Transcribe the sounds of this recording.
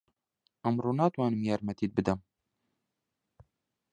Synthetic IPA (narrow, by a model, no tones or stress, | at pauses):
ʔɐmɾuːnaːt̪waːnɨmjaːɾmɛt̪iːt̪̚bɨd̪ɐm